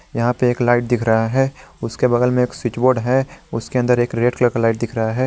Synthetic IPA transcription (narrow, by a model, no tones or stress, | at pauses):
jɐɦãpeeːklaːɪʈ̚d̪ɪkʰɾɐɦaɦɛːʊskebɐɡəlmẽeːkswɪt͡ʃboːɾɖɦɛʊskeɐ̃nd̪əɾeːkɾeːɖkləɾkalaːɪʈ̚d̪ɪkʰɾɐɦaɦɛː